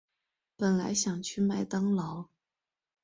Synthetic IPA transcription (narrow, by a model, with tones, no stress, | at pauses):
pə˨˩nla˧˥ɪɕjɑ˨˩ŋt͡ɕʰy˥˩ma˥˩ɪt̪ɑ˥ŋlɑ˧˥ʊ